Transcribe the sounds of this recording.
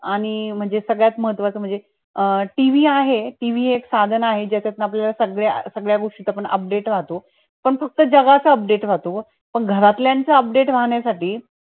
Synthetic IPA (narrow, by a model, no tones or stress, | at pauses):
aɽ̃im̤əɳd͡zesəɡɭjat̪məɦət̪ʋat͡səm̤əɳd͡ze | ʈiʋiːaɦeʈiʋiːeksad̪ʱənaɦed͡ʑat͡ɕat̪napljalasəɡɭjasəɡɭjaɡoʂʈit̪ap̬əɳʔə̰p̚ɖeʈʋ̤at̪o | pəɳfək̚t̪əd͡ʑəɡat͡saəp̚ɖeʈʋ̤at̪o | pəɳɡʱəɾat̪ljaɲt͡saəp̚ɖeʈʋ̤aɦɳjasaʈiː